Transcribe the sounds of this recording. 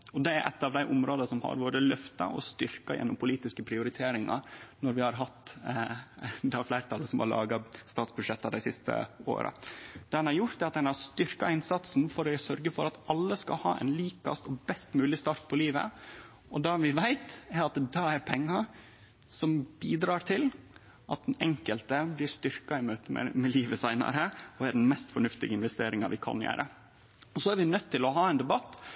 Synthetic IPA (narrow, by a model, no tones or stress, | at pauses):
ɔd̪ɛæ̰ɾʔɛ̰t̪ːɑːʋd̪æɪʔʊmɾoːd̪əsɔmhɑ̰ɾboːd̪əlœft̪ɑ̰ʔɔ̰st̪ʏɾkɑjʔɛ̰nːɔmpʰʊliːt̪ɪskəpʰɾɪʊɾɪt̪ʰeːɾɪŋɑ̰nɔɾʋɪhɑɾɦɑt̪ː | d̪ɑflæɪɾt̪ʰɑləsɔmhɑ̰ɾɭɑ̰ːɡɑst̪ɑːt̪sbʉd̪ʂɛt̪ːɑd̪æɪsɪst̪ə̰o̰ːɾə̰d̪̥ɛd̪ɛnhɑɾjʊɾt̪d̪ɛɑt̪̚d̪ɛnhɑɾst̪ʏɾkɑɪnsɑt̪sn̩fɔɾɛsœɾɡəfɔɾɑt̪ɑlːəskɑ̰lhɑ̰ːʔɛ̰ɪnliːkɑ̰st̪ɔbɛst̪mʉːlɪst̪ɑːɾt̪̚pʰɔliːʋə̰ | ɔd̪ɛʋɪʋæɪt̪ɛɾɑt̪d̪ɛæɾpʰɛŋːɑ | sɔmbiːd̪ɾɑːɾt̪ʰɪl | ʔɑt̪̚d̪ɛnɛŋkəlt̪əblɪɾst̪ʏɾkɑɪmøːt̪əmɛ̰mɛliːʋəsæɪnɑ̰ɾəɔæɖn̩mɛst̪fɔɳʉft̪ɪɡəɪnʋɛst̪eːɾɪŋɑʋɪkʰɑ̰njæ̰ːɾʔə | ɔsɔæɾʋɪnœt̪ʰːɪlɔɦɑːɛɪnd̪ɛbɑt̪ː